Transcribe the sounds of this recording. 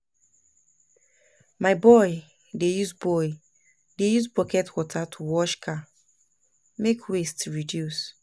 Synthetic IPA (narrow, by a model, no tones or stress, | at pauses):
maɪbɔj | dejuzbɔj | dejuzbɔkɛtwɔtʰatʰuwɔʃkʰa | mekʰwestɹidjus